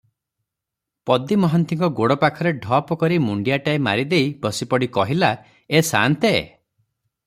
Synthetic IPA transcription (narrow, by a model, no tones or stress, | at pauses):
pɔd̪imɔɦɔnt̪iŋkɔɡoɽɔpakʰɔɾeɖʱɔpɔkɔɾimuɳɖijaʈaema̰ɾid̪ejbɔsipɔɽikɔɦila | esa̰nt̪ḛ